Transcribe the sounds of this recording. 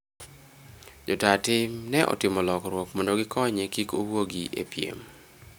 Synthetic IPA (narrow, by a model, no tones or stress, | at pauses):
d͡ʒɔtatɪmnɛʔɔ̰tɪmɔlɔkɾwɔkmondoɡɪkʰɔɲekikowoɡiʔḛpjḛm